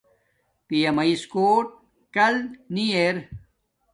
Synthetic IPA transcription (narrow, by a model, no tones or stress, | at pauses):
pijɐmɐiskoːʈ̚ | kɐlnieɾ